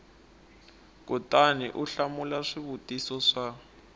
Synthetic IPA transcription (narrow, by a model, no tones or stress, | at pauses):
kʼutʼaniʔuɬamulaʂiβutisɔʂa